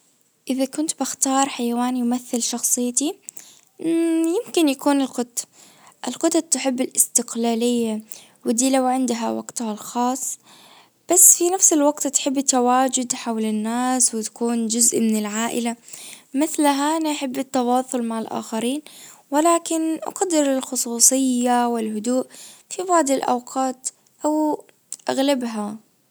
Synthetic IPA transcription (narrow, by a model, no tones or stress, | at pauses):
ʔɪðakʊnt̪bɪxt̪ɑːɾˤħajawaːnijmaθːɪlʃɑxsˤɨjːt̪i | jɪmkɪnjakuːnɪlqʊt̪ː | ʔɪlqʊt̪ɑt̪ːɪħɪbːɪlʔɪst̪ɪqlaːlɪjːa | wɪd̪iːlawʕɪnd̪ɦa̰wa̰ɡt̪halxɑːsˤː | b̥asːfinafsɪlwaɡt̪t̪ħɪbːɪt̪ːawaːd͡ʒʊd̪ħawlɪnːaːswɪt̪ḁkuːnd͡ʒʊzʔmɪnɪlʕaːʔɪlamɪθlaɦaʔanaʔaħɪbːɪt̪ːɑwɑːsˤʊlmaʕɪlʔa̰ːxaɾiːnwɪlaːkɪnʔa̰qad̪ːɪɾɪlxʊsˤuːsˤɨjːawɪlɦʊd̪uːʔfibɑʕd̪ˤɪlʔa̰wqʰɑːt̪ | ʔaw | ʔaɣlabɦa